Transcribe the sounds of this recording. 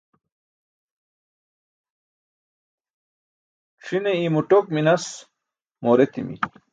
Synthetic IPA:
ʂineimuʈok̚minɐs | moːɾet̪imḭ

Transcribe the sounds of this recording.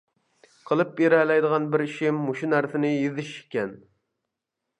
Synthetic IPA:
qʰəlˠɨp̚jeɾɛlɛjd̪əʁɑnbɪɾiʃɪmːuʃunæɾsɪnɪjizɪʃkʲɛn

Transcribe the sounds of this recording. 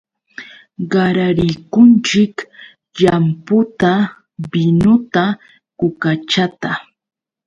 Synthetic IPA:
ɢɑɾaɾɪjkʊnt͡ʃɪk | ʎampʊt̪a | bɪnʊt̪a | kʊkat͡ʃat̪a

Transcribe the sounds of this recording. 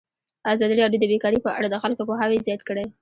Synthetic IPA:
azɑd̪iɾɑɖjod̪əbekɑɾepəʔa̰ɽad̪əxalkopoɦawezjɑt̪kəɽaj

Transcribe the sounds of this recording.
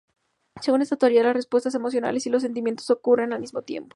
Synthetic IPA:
seɣune̞st̪at̪oaɾialasre̞spwe̞st̪as̬e̞mo̞s̬jo̞na̰le̞silo̞s̬ːe̞nt̪̬imje̞nt̪o̞so̞kure̞nalmizmo̞t̪je̞̰mpo̥

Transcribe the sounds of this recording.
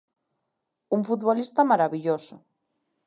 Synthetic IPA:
uɱfut̪βolist̪amaɾaβiʎosʊ

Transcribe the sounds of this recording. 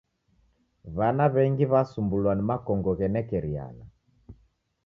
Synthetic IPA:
βanaβɛŋɡiβasumbulwanimakɔŋɡɔɣɛnɛkɛɾia̰la

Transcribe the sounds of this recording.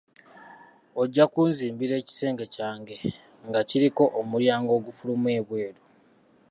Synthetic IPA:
o̞ɟːakuːnziːmbiɾe̞ːci̥se̞ːŋɡe̞caːŋɡe̞ | ŋɡaciɾiko̞ʔomuljaːŋɡo̞ːɡufulumwe̞ːβwe̞ːɾu

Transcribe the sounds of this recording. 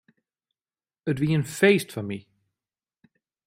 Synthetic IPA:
ətʋiənfeːstfanmi

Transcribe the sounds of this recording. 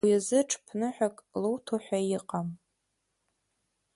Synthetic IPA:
iazɨʈ͡ʂʰʼpʰnɨħʷᶣakʼlowtʰoħʷᶣajɪqʼam

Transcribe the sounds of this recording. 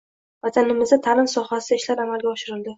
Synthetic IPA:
vat̪ʰanɪmɪzat̪ʰalɪnsɒχasɪd̪aɪʃlaɾamalɡʲaɒʃɪɾɪld̪ɪ

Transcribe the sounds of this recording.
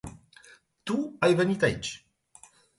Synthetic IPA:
t̪uajvənʲit̪ait͡ʃ

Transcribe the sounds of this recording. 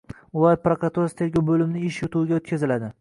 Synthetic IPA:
apɾakɾat̪uɾast̪ʰe̞ɾɡʲowbɵlɪmnɪɪʃjʊt̪ʰuwɪɡʲaot̪̚kʲʰazɪlad̪ɪ

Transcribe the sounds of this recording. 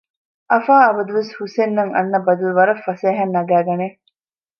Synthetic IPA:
ʔɐfaːɐbɐd̪uʋeshusenːɐŋɐ̰nːɐbɐd̪uluʋɐɾɐfːɐseːɦɐnːɐɡæːɡɐne

